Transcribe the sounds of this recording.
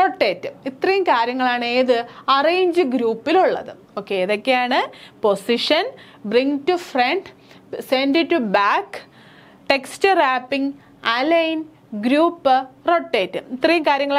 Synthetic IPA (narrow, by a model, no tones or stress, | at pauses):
ro̞ʈːe̞ːtːɨit̪rɐjumkaːɾjɐŋːɐɭaːɳeːðɨɐreːɲd͡ʑɨɡɾuːpːiluɭːɐ̰ðɨ | o̞ːkːe̞ːðo̞kːe̞jaːɳɨpo̞siʂɐn | briŋtufreɳɖ | senɖiʈːubaːk | ʈe̞kstɨraːpːiŋ | alɐjn | ɡɾuːpːɨro̞ʈːe̞ːtːɨit̪rɐjumkaːɾjɐŋːɐɭ